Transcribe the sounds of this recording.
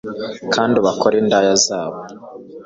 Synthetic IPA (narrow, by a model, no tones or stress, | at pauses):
kʰaːndiβakʰoɾendajazaːβo